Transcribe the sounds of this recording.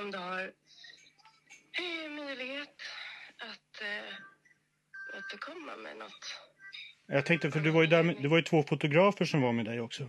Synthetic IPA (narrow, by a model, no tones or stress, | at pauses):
ɔmd̪ɵhaɾ | mœjlɪɡheːt̪at̪ | o̰ːt̪əkʰɔmːa̰mɛ̰nɔ̰t̪ː | jɑːt̪ʰɛŋk̚t̪əfœɖɵvaɾjɵd̪æɾmɛd̪ɛvajɵt̪ʰvoːfʊt̪ʊɡɾɑːfəʂɔmvaɾmeːd̪ɛjɔksɔ